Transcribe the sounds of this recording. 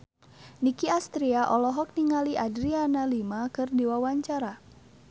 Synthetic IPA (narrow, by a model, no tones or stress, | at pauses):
nikiast̪ɾiaʔɔlɔɦɔk̚niŋaliʔadɾianalimakɨrdiwawaɲt͡ʃaɾa